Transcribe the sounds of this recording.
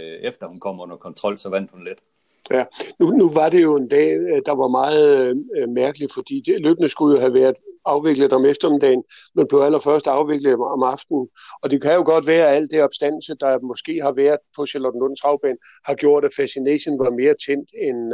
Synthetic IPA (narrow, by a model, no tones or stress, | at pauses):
efd̥ɐhunkʰɒ̽m̰ɔnɐkʰɒ̽nt͡sʰʁɒ̽l̰sɒʋæn̰d̥hunle̝d̥ | jænunuʋɑ̈d̥e̝jo̝e̝nd̥ɛ̰ːd̥ɑ̈ʋɑ̈mɑ̈ːð̩ˠmæɐɡ̥əli̥fɒ̽d̥ḭːd̥elø̰ːb̥ənəsɡ̥ujo̝ɦæʋæːɐðˠɑ̈ʊʋe̝ɡ̥ləð̩ˠɒ̽mefd̥ɐmid̥ɛ̰ːn̩menb̥le̝ʊæl̰ɐfɶɐsd̥ɑ̈ʊʋe̝ɡ̥ləð̩ˠɒ̽mɑ̈fd̥n̩ɒ̽d̥e̝kʰæjo̝ɡ̥ɒ̽d̥ʋæːɐæl̰d̥eɒ̽b̥sd̥æn̰l̩səd̥ɑ̈mɒ̽sɡ̥e̝̰ːɦɑ̈ʋæːɐðˠpʰɒ̽ɕelɒd̥n̩od̥̰n̩t͡sʰʁɑ̈ʊb̥ɛːn | hɑ̈ɡ̥jo̝ɐ̰ɾ̥æfæsine̝̰ːɕənʋɑ̈me̝ːɐt͡sʰen̰d̥en